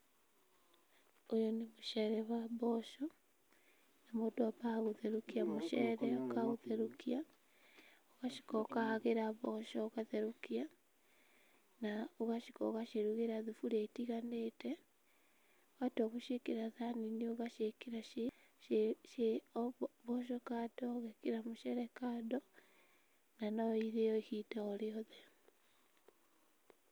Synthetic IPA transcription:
ojɔnemoʃɛɾɛβaβɔʃɔ | namodoabaɣuðeɾukiamoʃɛɾɛokaɣuðeɾukia | oɣaʃi̥kɔkaaɣeɾaβɔʃɔːɣaðeɾukia | naoɣaʃikɔɣaʃeɾuɣeɾaðufuɾetiɣanete | oɣatoɣuʃekiɾaðaninioɣaʃekiɾaʃe | ʃe | βoʃokatoɣekiɾamuʃeɾekado | nanoiɾejoihitaoɾeoðe

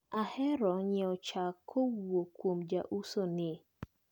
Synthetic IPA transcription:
ahɛɾɔɲɛɔt͡ʃakʰːowokwomd͡ʒaʔusonɪ

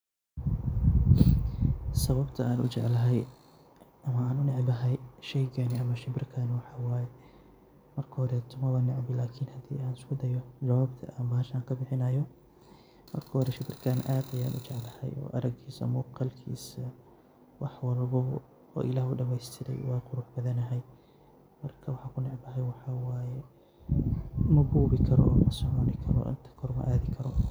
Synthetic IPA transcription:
sɐβɐbt̪ʰɐaːnʊ̰t͡ʃɛʕlɐɦɛj | ʔɐmɐaːnʊnɪʕbɐɦɛjʃɛjɡɐnɪɐmɐʃɪbɪrkʰɐnɪwɑħɑwaːjɛ | mɐrkʰɐhɔɾɛt̪ʰʊmɐwanːɪʕbɪlaːkʰiːnhɐd̪ḭːaːnɪskʰʊd̪ɐjɔd͡ʒɐwaːbt̪ʰɐ̰ʔambɐːʃaːŋkʰɐbɪħɪnɐjɔ | mɐ̰rkʰɐhɔɾɛʃɪbɪrkʰaːnʔaːd̪ɐjaːnʔʊ̰t͡ʃɛʕlɐhɛ̰jɔ̰ːʔɐɾɐɡʰiːsɐ̰mʊːqɑlkʰḭːsɐ | wɑħwɐɾɐbɔ | ɔ̰ːʔɪlaːhʊɖɐmɛjst̪ʰɪɾɛ̰jwɑːqʊɾuːħbɐðɐnɐɦɛj | mɐrkʰɐwɑħɑːkʰʊnɪʕbɐɦɛjwɑħɑwaːjɛ | mɐbuːβɪkʰɐɾɔ̰ːmɐsɔʕɔnɪkʰɐɾɔ̰ʔɪ̰nt̪ʰɐ̥kʰɔrmɐ̰ʔaːðɪkʰɐɾɔ

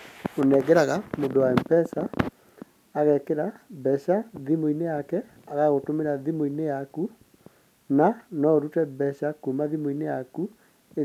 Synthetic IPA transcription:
onɛɡɛɾaɣamondowaɛmpɛsaː | ɣɛkeɾabɛʃaðimoinejakɛ | aɣaɣotomeɾaðimoinejaku | nanɔɾutɛbɛʃakumaðimoinejaku | e

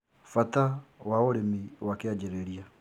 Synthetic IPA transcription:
fatawaoɾemiwakead͡ʒeɾeɾia

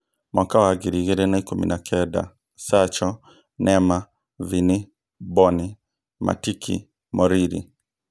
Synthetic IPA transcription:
mwakawaɡiɾiɣeɾɛnaikumḭnakʰɛda̰ | sat͡ʃɔ | nɛma | vini | bɔni | ma̰tikʰḭ | mɔɾiɾḭ

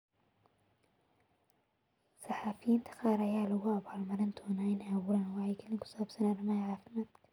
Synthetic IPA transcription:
sɑħɑːfɪjiːnt̪ʰɐ̥qɑːɾɐjaːlʊɣʊɐβaːlmɐɾɪnd̪ʰɔːnaːɪnaːwʊɾɐnwɑħɑjkʰɐlɪŋkʰʊ̥saːbsɐnɐrɪmɐhɐʕɑːfɪmaːd̪kʰɐ̥

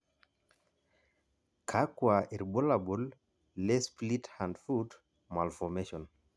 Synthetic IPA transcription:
kʰakwaiɾbolabulː | esplithãndfud | malfɔmeʃɔn

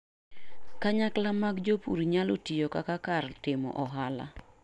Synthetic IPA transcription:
kaɲaklamaɡd͡ʒopṵɾiɲalotijokakakartɪmɔ̰ʔɔɦala̰

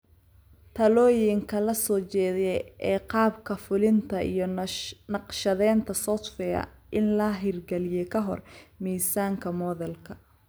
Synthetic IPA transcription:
t̪ʰɐlɔːjɪŋkʰɐlɐsɔːt͡ʃɛːðɛʔɛːqɑːbkʰɐfʊlɪnt̪ʰɐʔḭjɞnɑqʃɐðɛːnt̪ʰɐsɔt̪fɛɐ̰ʔɪnlɐɦɪrɡɛlɪjɛkʰɐɦɔ̰rmiːsaːŋkʰɐmɔːðɛlkʰɐ

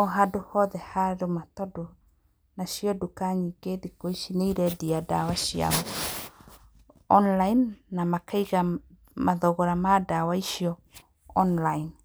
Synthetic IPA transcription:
ɔɦadohɔðɛhaɾomatɔdo | naʃiɔdukaɲikeðikoiʃineiɾɛdiadawaʃia̰ɔ | ɔnlainːamakaiɣa | maðɔɣɔɾamadawaiʃiɔ | ɔnlain

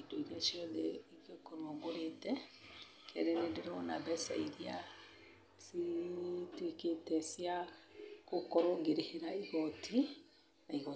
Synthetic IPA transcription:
itdoiɾiaʃjɔðɛikjokoɾwɔɡoɾetɛ | kʰɛ̰ɾɛnendeɾɔnabɛsa̰iɾia | siteketɛsia | kokɔɾoɡeɾeheɾaiɣɔtʰi | naiɣɔ

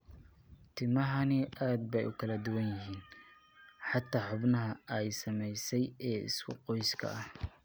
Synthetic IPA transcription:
t̪ʰɪmɐɦɐnɪʔaːd̪̚bɛjʊkʰɐlɐd̪ʊwɐnjɪɦiːn | ħɑt̪ʰːaːħʊbnɐɦɐɛjsɐmɛjsɛjɛːɪ̰skʰʊ̰qɔjskʰɐ̰ɐh

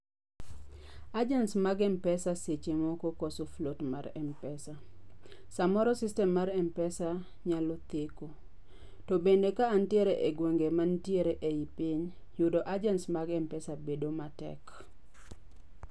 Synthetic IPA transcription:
ad͡ʒɛnsmaɡɛmpɛsaset͡ʃemɔkɔkɔsoflotmaɾɛmpɛsa | samɔɾɔsistɛmːaɾɛmpɛsa | ɲalɔt̪eko | tɔbendekaːntieɾeʔeɡwoŋɡemantieɾeʔeipɪɲ | jʊdɔʔad͡ʒɛnsmaɡɛmpɛsabedomatɛ̰k

